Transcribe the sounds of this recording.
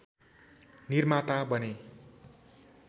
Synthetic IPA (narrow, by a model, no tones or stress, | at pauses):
nirmat̪abʌne